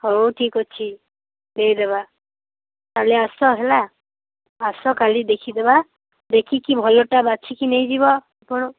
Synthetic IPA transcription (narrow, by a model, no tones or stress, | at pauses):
hoʈʰikɔt͡ʃʰi | d̪eid̪eba | t̪aleasɔɦelaː | sɔkalid̪ekʰid̪eba | d̪ekʰikibʱɔjoʈabat͡ʃʰikinejd͡ʒibɔ | apɔɽ̃ɔ